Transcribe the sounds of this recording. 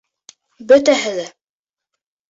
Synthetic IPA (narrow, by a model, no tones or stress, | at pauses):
bɵ̆t̪æɦɘðæ